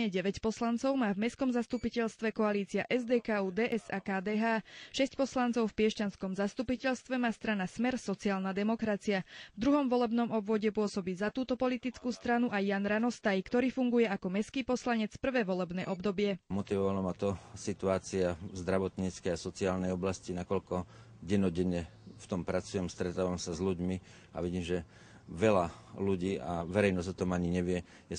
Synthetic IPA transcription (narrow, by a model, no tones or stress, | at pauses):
ɛɟɛʋɛcpɔslant͡sɔʊmaːvmɛskɔmzast̪upicɛʎst̪ʋɛkɔaliːt͡siaʔɛzd̪ɛːkaːuːd̪ɛːʔɛsakaːd̪ɛːɦaːʃɛscpɔslant͡sɔʊfpɪɛʃcanskɔmzast̪upicɛʎst̪ʋɛmaːst̪ɾanasmɛɾsɔt͡siaːlnad̪ɛmɔkɾat͡siavd̪ɾuɦɔmʋɔlɛbnɔmɔbʋɔɟɛpʊɔsɔbiːzat̪uːt̪ɔpɔlit̪it͡skuːst̪ɾanuʔajːanɾanɔst̪ajkt̪ɔɾiːfuŋɡujɛakɔmɛskiːpɔslaɲɛt͡spr̩ʋɛːʋɔlɛbnɛ̰ːʔɔbd̪ɔbɪɛmɔt̪iʋɔʋalɔmat̪ɔsit̪uaːt͡siazd̪ɾaʋɔt̪ɲiːt͡skɛjasɔt͡siaːlnɛjɔblascinakɔʎkɔ | ɟɛnɔɟɛɲːɛft̪ɔmpɾat͡sujɛmst̪ɾɛt̪aːʋamsazʎuɟmi | a̰ʋiɟiːmʒɛ | ʋɛlaluɟiːʔaʋɛɾɛjnɔzɔt̪ɔmaɲiɲɛʋɪɛ | jɛ